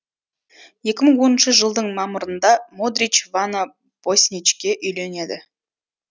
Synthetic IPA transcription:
je̞kʲɪməɴwo̞nənʃəʒəlˠd̪əɴmɑməɾənd̪ɑmod̪ɾʲit͡ʃvana | b̥osʲnʲit͡ʃkʲe̞ʔʏjle̞ne̞d̪ɪ̰

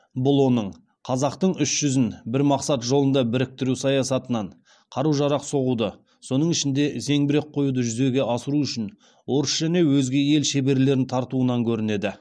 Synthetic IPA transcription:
bʊlˠwo̞nəɴ | qʰɑzɑqt̪əɴʏʃʒ̥ʏzɪnbɪɾmɑqsɑt̪ʒo̞lˠənd̪ɑbɪɾɪk̚t̪ɪɾusɑjɑsɑt̪ənɑɴ | qʰɑɾuʒɑɾɑqso̞ʁud̪ə | so̞nəɴɪʃɪnd̪e̞ze̞ŋbɪɾe̞k̚qʰo̞jud̪əʒʏze̞ɡʲe̞ʔɑsəɾuʏʃɪn | wo̞ɾəsʒ̥æne̞wɵzɡʲe̞je̞lʃe̞be̞ɾle̞ɾɪnt̪ʰɑɾt̪uənɑŋkʲʰɵɾɪne̞d̪ɪ

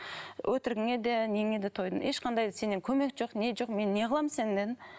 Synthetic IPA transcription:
wʔɵt̪ɪɾɡʲeŋe̞d̪eneŋe̞d̪et̪ʰo̞jd̪ə̰neʃqʰɑnd̪ɑjd̪əse̞nːeŋkʲʰɵme̞kʒoqne̞ʒoqme̞nːe̞ʁəlˠɑmsend̪en

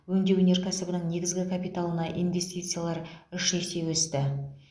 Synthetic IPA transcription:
wɵnd̪e̞wɵnʲe̞ɾkʲʰæsɪbənəɴne̞ɡʲɪzɡʲɪkʰapijt̪alˠənɑʔḭnvʲe̞st̪ijt̪sɨjalˠɑɾʏʃe̞se̞wɵst̪ɪ

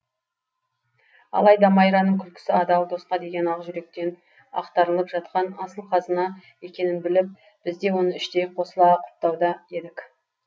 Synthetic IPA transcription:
ɑ̰lˠɑjd̪ɑmɑjɾɑnːəɴkʲʰʏlkʲʰɪ̥sɪɑd̪ɑlˠd̪o̞sqɑd̪e̞ɡʲe̞nɑʁʒʏɾe̞k̚t̪e̞n | ɑ̰qt̪ɑɾəlˠəpʒ̥ɑt̪̚qɑnɑsəlˠqʰɑzənɑje̞kʲe̞nɪnbɪlɪp̚ | b̥ɪzd̪e̞wo̞nəɪʃt̪ejqʰo̞səlˠɑqʰʊ̥p̚t̪ɑwd̪ɑe̞d̪ɪk

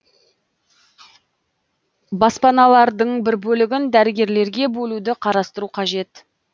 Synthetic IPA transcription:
bɑspɑnɑlˠɑɾd̪əɴbɪɾbɵlɪɡʲɪnd̪æɾɪɡʲe̞ɾle̞ɾɡʲe̞bɵlud̪ɪqʰɑɾɑst̪əɾuqʰɑʒe̞t̪

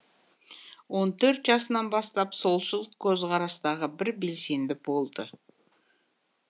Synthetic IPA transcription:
wo̞nt̪ʰɵɾt̪ʒɑsənɑnbɑst̪ɑpso̞lˠʃəlˠkʲʰɵzqʰɑɾɑst̪ɑʁəbɪɾbe̞lse̞nd̪ɪbo̞lˠd̪ə

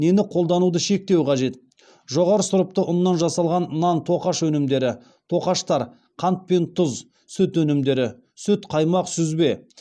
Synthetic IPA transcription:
ne̞nɪqʰo̞lˠd̪ɑnud̪əʃe̞k̚t̪e̞wqʰɑʒe̞t̪̚ | ʒo̞ʁɑɾəsʊɾʊp̚t̪əʔʊnːɑnʒɑsɑlˠʁɑnnɑnt̪ʰo̞qɑʃwɵnɪmd̪e̞ɾɪ | t̪ʰo̞qɑʃt̪ɑɾ | qʰɑnt̪̚pe̞nt̪ʰʊz | sʏt̪wɵnɪmd̪e̞ɾɪ | sʏt̪qʰɑjmɑqsʏzbe̞

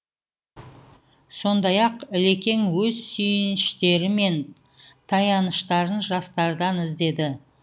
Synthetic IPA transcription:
so̞nd̪ɑjɑqɪle̞kʲe̞ŋwɵzsʏjɪnɪʃt̪e̞ɾɪme̞n | t̪ʰɑjɑnəʃt̪ɑɾənʒɑst̪ɑɾd̪ɑnɪzd̪e̞d̪ɪ

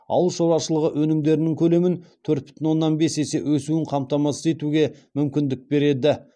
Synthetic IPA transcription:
ɑ̰w̪lˠʃowɾɑʃəlˠəʁəʔwɵnɪmd̪e̞ɾɪnɪŋkʲʰɵle̞mɪnt̪ʰɵɾt̪̚bʏ̥t̪ɪnwo̞nːɑnbe̞se̞se̞wɵsuɪɴqʰɑmt̪ɑmɑsəze̞t̪uɡʲe̞mʏmkʲɪnd̪ɪk̚be̞ɾe̞d̪ɪ

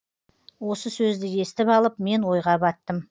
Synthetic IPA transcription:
wo̞səsɵzd̪ɪje̞st̪ɪpɑlˠəpme̞nwo̞jʁɑbɑt̪ːəm

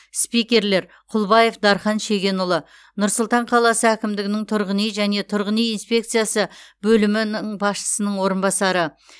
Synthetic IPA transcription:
spijkʲe̞ɾle̞ɾ | qʰʊlˠbɑje̞fd̪ɑɾχɑnʃe̞ɡʲe̞nʊlˠə | nʊɾsʊlˠt̪ɑɴqʰɑlˠɑsəækʲɪmd̪ɪɡʲɪnɪŋt̪ʰʊɾʁənijʒæne̞t̪ʰʊɾʁənijinspʲe̞k̚t̪sɨjasəbɵlɪmɪnɪŋbɑsʃə̥sənəɴwo̞ɾənbɑsɑɾə

